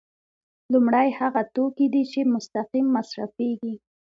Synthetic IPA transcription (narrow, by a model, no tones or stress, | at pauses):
lʊmɽajhaɣat̪okid̪it͡ʃemʊst̪aqimːasɾafeɡi